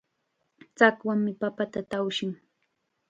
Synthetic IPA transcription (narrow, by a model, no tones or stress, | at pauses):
t͡sakwaŋmɪpapat̪at̪awʃɪŋ